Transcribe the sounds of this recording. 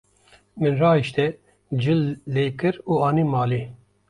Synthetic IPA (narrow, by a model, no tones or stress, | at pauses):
mɨnrɑːiʃt̪ɛ | d͡ʒɨlːeːkɨɾuːɑːnimɑːliː